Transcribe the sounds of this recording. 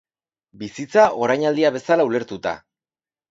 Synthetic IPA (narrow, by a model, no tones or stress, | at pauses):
bisit͡saʔo̞ɾajɲald̪iaβe̞salaule̞ɾt̪ut̪a̰